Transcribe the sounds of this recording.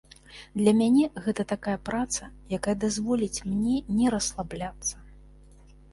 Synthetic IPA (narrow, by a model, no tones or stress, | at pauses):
d̪lʲɐmʲanʲɛɣɛt̪ɐt̪akajɐpɾat̪sɐjakajɐd̪azvɔlʲit͡sʲmnʲɛnʲɛɾɐslˠablʲat̪sːɐ̥